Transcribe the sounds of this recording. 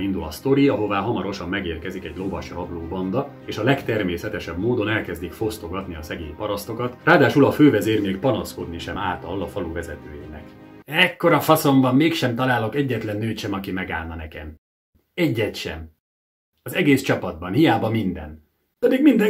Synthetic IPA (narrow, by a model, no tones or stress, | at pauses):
ind̪ulɒ̰st̪o̞ɾiɒɦo̞vaːɦɒmɒɾo̞ʃɒmːɛɡeːrkɛzikɛɟlo̞vɒʃrɒbloːbɒnd̪ɒ | eːʃɒlɛkt̪ɛrmeːsɛt̪ɛʃɛbmoːd̪o̞nɛlkɛzd̪ikfo̞st̪o̞ɡɒt̪niɒsɛɡḛːɲpɒɾɒst̪o̞kɒt̪raːd̪aːʃulɒføːvɛzeːrmeːkpɒnɒsko̞d̪niʃɛmaːt̪ɒlːɒfɒluvɛzɛt̪ø̰ːjɛ̰nɛkɛkːo̞ɾɒfɒso̞mbɒmːeːkʃɛmt̪ɒlaːlo̞kɛɟːɛt̪lɛnːøːt̪ʃɛmɒkimɛɡa̰ːlnɒnɛkɛm | ɛɟːɛt̪ʃɛ̰m | ɒzɛɡeːst͡ʃɒpɒd̪̚bɒnhijaːbɒmind̪ɛ̰n | d̪̥ɛmeːɡmind̪ɛ